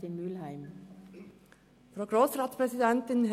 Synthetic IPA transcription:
imʉlhæɪm | fɾoːɡɾoːsɾɑːt̪spʰɾɛsɪd̪ɛnt̪ənh

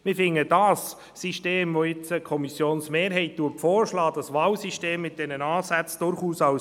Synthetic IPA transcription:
mɪfɪŋːəd̥ɑsː | iʃteːmvojɪt͡səkʰɔmisjoːnsmeːɾɦɛɪt̚d̥uːəpfɔːɾʃlɑːd̥ɑsʋɑːwsiʃteːmːɪt̚d̥ɛnənɑːsæt͡sd̥ʊɾχuːsɑw

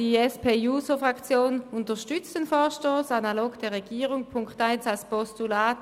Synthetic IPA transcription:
d̥iɛspeːjuːsofʁakt͡sjoːnʊntəʃtʏt͡stenfɔːʃtoːsanaloːɡd̥ɛːɐʁeɡ̥iːʁʊŋpʰʊŋktaɪnsalspɔstulaːt

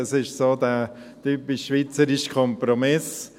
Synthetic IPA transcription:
əsɪʃsoːd̪æː | t̪yːpɪʃːʋit͡səɾɪʃkʰɔmpɾomɪs

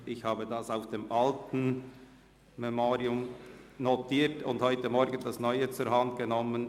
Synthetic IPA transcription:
ʔɪçhaːbədɑsaʊfd̥emʔɑltn̩ | mɛmoːɾiʊmnotiːtʰʊ̰ndhɔʏtəmɔɾɡən̩d̥ɑsnɔʏət͡sʊɾhɑndɡ̥ənɔmən

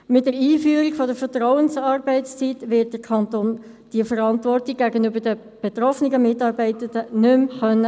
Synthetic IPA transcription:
mɪt̚dəɾiːfyːəɾiɡfɔdəɾfəɾtʁɔwənsɑːrbɛɪtst͡sitʋɪt̚d̥əkʰɑntoːn | d̥iəfəɾɑntvɔrtiɡ̚ɡ̥æɡənʏbəɾdə | b̥et̪rɔfniɡəmɪtɑːɾbɛɪtəndənʏmχœnːə

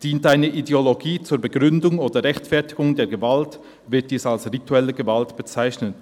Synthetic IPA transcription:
d̥iːntaɪnəʔideoloɡiːt͡suːɐɾbəɡʁʏndʊŋoːdəʁɛçtfɛɐtɪɡʊŋdeːɐɡəvalt | vɪɐt̚d̥iːsalsʁitʰuɛləɡəvaltb̥ət͡saɪçnən

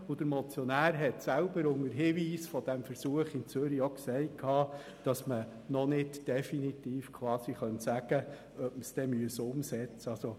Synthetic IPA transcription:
ʊd̥̪əɾmɔt͡sjɔnæːɾɦɛtsælbəɾʊŋəɾɦiːʋiːsfɔd̥æmfəɾsuəχɪnt͡søɾioksɛɪtkʰhɑː | d̥ɑsmə | nɔnɪtd̥ɛfinitiːfkʰwɑːsiχœntsæɡ̥ə | œpməsd̥ɛmyəsʊmsɛt͡səɑso

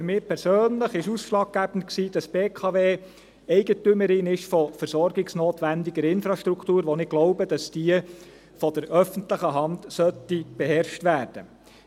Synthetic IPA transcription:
fʏɾmɪːpʰɛɾsøːnləχɪʃusʃlɑːɡ̚ɡ̥æb̥ən̩tksiːd̥ɑsb̥eːkʰɑːʋeː | ɛɪɡətʏməɾɪnɪʃfɔfəɾsɔɾɡɪɡsnoːtʋændɪɡəɾɪnfɾɑʃtɾukʰt̪uːɾʋonɪɡ̥loʊbəd̥ɑsd̥iə | fɔd̥əɾœfəntləχəɦɑntsœtːib̥ɛɦɛɾʃtʋæːɾd̥ə̰

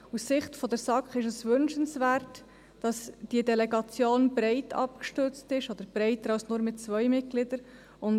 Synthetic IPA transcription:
usːɪχtfɔdɛɾsɑkχɪʃəsʋʏnʃənsvæːrt | d̥ɑsd̥iədɛlɛɡɑt͡sjoːnbɾɛɪtʰɑ̰pkʃtʏɾt͡stɪʃɔd̥̪əɾb̥ɾɛɪtəɾɑlsnʊːɾmɪtt͡svœʏmɪt̚ɡ̥lɪdəɾ | ʊn

